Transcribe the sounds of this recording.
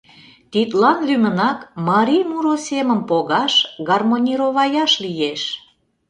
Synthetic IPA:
t̪it̪lɑnlymənɑkmɑɾʲijmuɾosʲemə̆mpoɣɑʃɣɑrmonʲiɾoβɑjɑʃlijeʃ

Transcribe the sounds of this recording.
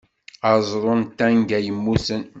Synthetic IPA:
ɑzˤɾˤont̪æŋɡæjəmːusən

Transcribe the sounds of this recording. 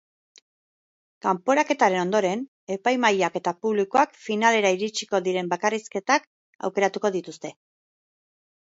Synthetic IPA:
kampo̞ɾake̞t̪aɾe̞no̞nd̪o̞ɾe̞n | e̞pajmajake̞t̪apuβlikoakfinale̞ɾaiɾit͡ʃi̥ko̞ðiɾe̞mbakariske̞t̪ak | a̰wke̞ɾat̪uko̞ðit̪ust̪e̞

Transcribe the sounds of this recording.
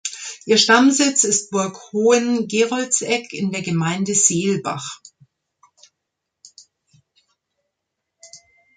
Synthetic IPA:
ʔiːɐʃtamzɪt͡sɪst̚b̥ʊɐkhoːənɡeːʁɔlt͡sɛkʰɪndeːɐɡəmaɪndəzeːlba̰χ

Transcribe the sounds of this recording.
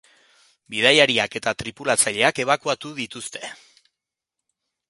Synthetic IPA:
biðajaɾiake̞t̪at̪ɾipulat͡saʎe̞ake̞β̞akuat̪uðit̪ust̪e̞

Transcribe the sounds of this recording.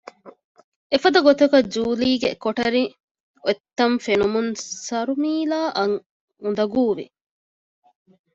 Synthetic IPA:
efɐd̪ɐɡot̪ekɐd͡ʒuːliːɡḛkoʈɐɾi | oet̪ːɐɱfenumunsɐɾumiːlaːʔɐŋ | und̪ɐɡuːʋḭ

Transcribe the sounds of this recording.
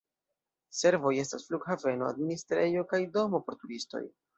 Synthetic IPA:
se̞ɾvo̞je̞stasfluɡhave̞no̞a̰dministɾe̞jo̞kajdo̞mo̞poɾtuɾisto̞̰j

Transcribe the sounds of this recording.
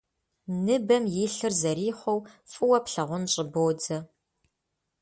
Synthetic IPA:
nɨbɐmjɪɬɨrzɐriːχʷɔwfʼɨwɐpɬɐʁʷʊnɕʼɪboːd͡zɐ

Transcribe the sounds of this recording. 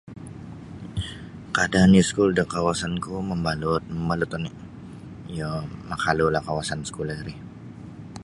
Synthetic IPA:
kadanjiskuldakawasankuməmbalʊt̪̚məmbalʊt̪ɔnɪʔ | jamakalulahkawasansə̥kulaɾih

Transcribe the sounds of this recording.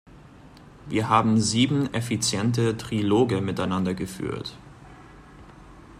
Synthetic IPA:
vḭːɐhaːbm̩ziːbm̩ʔɛfit͡sjɛntətʁ̥iloːɡəmɪtaɪnandɐɡəfy̰ːɐt

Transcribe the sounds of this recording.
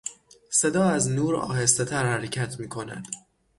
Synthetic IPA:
se̞d̪ɒːæznuːɾɒ̰ːhe̞st̪e̞t̪ʰæɾhæɾecʰæt̪ʰmiːkʰo̞næ̰d̪̥

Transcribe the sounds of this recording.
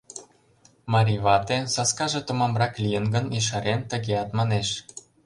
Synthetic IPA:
mɑɾʲiβɑt̪esɑskɑʒĕt̪ŏmɑmrɑklʲijənɡə̆niʃ̬ɑɾent̪ə̆ɣeɑt̪mɑneʃ

